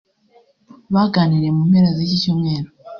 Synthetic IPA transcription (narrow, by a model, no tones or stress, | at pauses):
βaɡaːniɾe̞mumhe̞ɾazecicomŋe̞ːɾo